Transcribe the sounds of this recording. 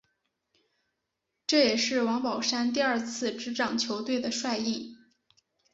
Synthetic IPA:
ʈ͡ʂɤ˥˩jɛ˨˩ʂɻ̩˥˩wɑ˧˥ŋpɑ˨˩ʊʂa˥nt̪i˥˧ɐ˞˥˧t͡sʰɹ̩˥˩ʈ͡ʂɻ̩˧˥ʈ͡ʂɑ˨˩ŋt͡ɕʰjo˧˥ʊt̪we˥˩ɪd̪ə˩ʂwa˥˧ɪi˥˩ŋ

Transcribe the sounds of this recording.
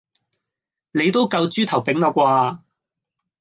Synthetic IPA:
ne˨˧jt̪o˥wkɐ˧wt͡ʃyː˥t̪ʰɐ˨˩wpɪ˨˥ŋnɔː˨˥kʷaː˧

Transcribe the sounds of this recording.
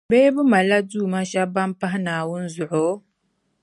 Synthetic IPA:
beː˦bʊ˦ma˨la˦duː˦˨ma˦ʃa˦ba˦m˦pa˦ɦɪ˦naː˨wʊ˦n̩˦zʊ˨ʔʊ˨˦

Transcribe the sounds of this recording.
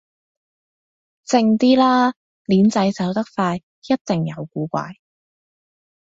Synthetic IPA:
t͡sɪ˧ŋt̪iː˥laː˥ | liː˨˥nt͡sɐ˨˥jt͡sɐ˨˥wt̪ɐ˥k̚faː˧j | jɐ˥t̚t̪ɪ˨˩ŋjɐ˨˧wkuː˨˥kʷa̰ː˧j

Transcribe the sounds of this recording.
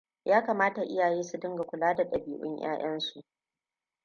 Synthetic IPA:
jʔaː˦kaː˨maː˦ta˨ʔɪ˦jaː˨jeː˦su˨dɪ˦ŋɡa˨kʷʊ˨laː˦da˨ɗɐ˨biː˨ʔʊ̰˦ɲj̰a̰ː˦j̰ɐ˦nsu˨ʔ

